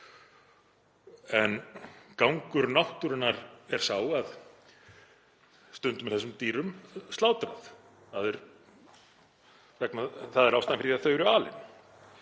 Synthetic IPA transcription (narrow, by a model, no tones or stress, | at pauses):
ɛnkawŋkʏɾnawht̪ʏɾʏnːaɾɛɾ̥saːwað | st̪ʏnt̪ʏmɪlθɛs̬ːʏmt̪iːɾʏmst̪aːwt̪ɾaθ | θaðɛɾ | vɛknaθaðɛɾawst̪aːjnmfɪɾiaθœːɥɾʏaːlɪ̰n